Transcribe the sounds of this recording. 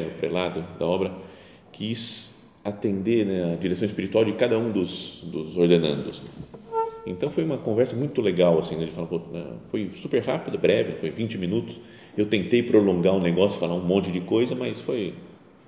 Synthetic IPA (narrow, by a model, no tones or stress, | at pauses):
ʊpɾelad̪ʊd̪ɐ̰ɔbɾɐ | kʰis | at̪ẽnd̪eɾnɛɐd͡ʒiɾesɐ̃w̃ɪspiɾit̪uawd͡ʒɪkad̪ɐũd̪ʊzd̪ʊzoɾd̪enɐ̰̃nd̪ʊsnɛ | ẽnt̪ɐ̃w̃fojũmɐkõvɛɾsɐmũj̃t̪ʊleɡawasĩnɛd͡ʒɪfalapoɛ̰̃fojsupeɾhapid̪ɐbɾɛvɪɛfojvĩt͡ʃɪmĩnut̪ʊ̥s | ewt̪ẽnt̪ejpɾolõŋɡaʊ̃neɡɔsjʊ̥falaũmõnt͡ʃɪd͡ʒɪkojzɐmɐsfoj